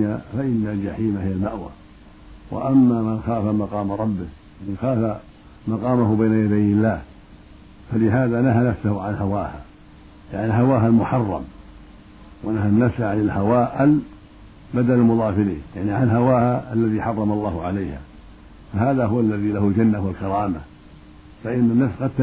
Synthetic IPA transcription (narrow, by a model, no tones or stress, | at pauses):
afaʔɪnːald͡ʒaħiːmahɪjalmaʔwa̰ | wʔa̰ʔamːamɪnxaːfamɑqɑːmɾˤɑbːɪjʕmɪnxaːfa | mɑqɑːmahʊbajnajad̪ajɪlːaːh | falɪɦaːðanaɦanafsahʊʕanhawaːha̰ | jaʕnilɦawaːɦalmʊħɑrˤːɑ̰m | wanaɦanːafsʕanɪlhawaːʔɪl | bad̪alɪlmʊðˤɑːfɪlḭːnjaʕniʕanɦawaːhaʔalːaðiħɑrˤːɑmɑlˤːɑːhʊʕalajha̰ | faɦaːðaɦʊwalːaðilahʊld͡ʒanːahwalkɑɾˤɑːma̰ | faʔɪnːanːafsqɑd̪̚t̪